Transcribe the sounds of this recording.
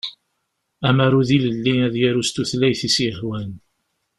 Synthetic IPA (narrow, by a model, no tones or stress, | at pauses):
æmaɾˤuðiləlːinæðjæɾust̪uθlæjθisjəχwæn